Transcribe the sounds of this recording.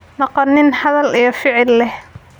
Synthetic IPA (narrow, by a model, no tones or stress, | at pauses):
nɑqɑnːɪnhɐðɐlijɞfɪʕɪlːɛh